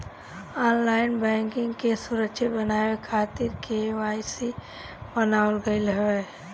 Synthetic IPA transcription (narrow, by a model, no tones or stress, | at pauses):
ɔːnlaːɪnbɛ̃ŋkɪ̃ŋɡkesuɾəkʃʰebənaːekʰaːt̪ɪɾkeaːisi | bənaːwəlɡəɪlɦe